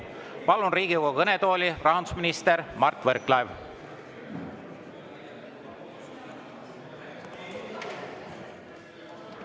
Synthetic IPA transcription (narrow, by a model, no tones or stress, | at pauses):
pɑlunriːɡ̥iuwkoɡɤnet̪o̞ːlʲirɑɦɑnd̪usminist̪eɾmɑrt̪ːˑvɤɾklɑev